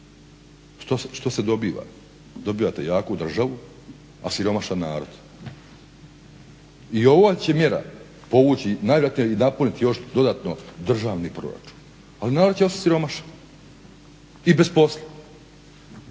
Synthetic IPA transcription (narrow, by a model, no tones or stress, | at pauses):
ʃt̪osʃt̪o̞se̞d̪o̞biːʋa̰ | d̪o̞biːʋat̪ejaːkoud̪r̩ʒaʋu | asiɾo̞maʃannaːɾo̞̰d̪̥ | io̞ʋot͡ɕe̞mje̞ɾa̰ | po̞ʋuːt͡ɕinaːjeɾjat̪nijeinapunit̪ijo̞ʃd̪o̞d̪at̪nod̪r̩ʒaːʋnipɾo̰ɾa̰t͡ʃu̥ːn | alinaːɾod̪̚t͡ɕeost̪asiɾo̞maʃḁn | ibe̞spo̞slˠa